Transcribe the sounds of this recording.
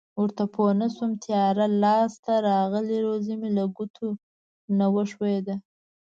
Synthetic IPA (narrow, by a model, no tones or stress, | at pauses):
wəɾt̪apʰonasumt̪ʰjɑɾalɑst̪aɾɑɣəliɾozimilaɡut̪ʰu | nawəʂwed̪a